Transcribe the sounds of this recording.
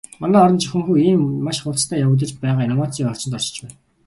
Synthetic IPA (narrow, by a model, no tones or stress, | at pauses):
mɔnɔːɾɞ̆nt͡ɕixʲɘ̆ŋxuːiːmːaʃχʊɮt͡st̪ʰæːjawə̆ːt̪̬ə̆t͡ɕpæːʁaːinɔmaːt͡s̪ʰiːŋɔr̥t͡ɕɪ̆nt̪ɔɮt͡ɕ̆t͡ɕpæːn